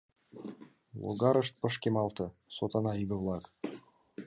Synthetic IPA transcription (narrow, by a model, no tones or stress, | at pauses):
lˠo̰ɡɑɾɤʃt̪̚pɤ̆ʃkemɑlˠt̪ɤ̆sot̪ɑnɑibə̆vlˠɑk